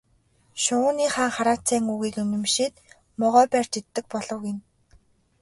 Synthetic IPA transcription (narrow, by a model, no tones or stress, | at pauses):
ʃʊniːχaːŋχaɾaːt͡sæːŋuɣiːkɵnɵ̆mʃiːt̪ | mɔʁœːpær̥t͡ɕet̪ːɘ̆k̚pɔɮɞ̆wɪ̆n